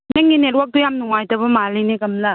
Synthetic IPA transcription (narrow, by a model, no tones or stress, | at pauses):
neŋineɾwak̚dujamnuŋajtɐbɐmalineɡɐmlɐ